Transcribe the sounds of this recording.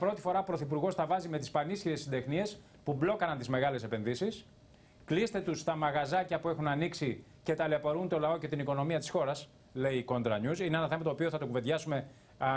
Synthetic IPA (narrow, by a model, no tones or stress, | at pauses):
ɐpɾo̞t̪i̥fo̞ɾɐpɾo̞θipuɾɣo̞st̪ɐvɐzime̞t̪ispɐnisçiɾe̞sːid̪exnie̞s | publo̞kɐnɐnt̪izme̞ɣɐle̞se̞pe̞nðisis | klist̪e̞t̪ust̪ɐmɐɣɐzɐcɐpue̞xunɐniksi | ce̞t̪ɐleɐpoɾunt̪o̞lɐo̞ce̞t̪iniko̞no̞miɐt̪i̥sxo̞ɾɐs | le̞iko̞nd̪ɾɐɲusineenɐθe̞mɐt̪opio̞θɐt̪okuve̞ðʝɐsume̞